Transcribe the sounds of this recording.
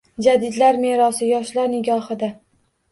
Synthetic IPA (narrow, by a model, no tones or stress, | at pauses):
d͡ʒad̪ɪd̪laɾme̞ɾɒsɪjɒʃlaɾnɪɡʲɒhɪd̪a